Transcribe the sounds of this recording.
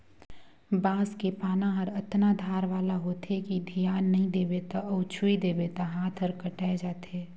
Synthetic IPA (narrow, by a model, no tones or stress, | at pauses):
bãːskepaːnãɦɐɾɐt̪nad̪ʱaːɾʋaːlaɦoːt̪ekid̪ʱijaːnːɐɦĩd̪eːbet̪aɔːt͡ʃʰuid̪eːbet̪aɦaːt̪ʰəɾkɐʈaːed͡ʒaːt̪eː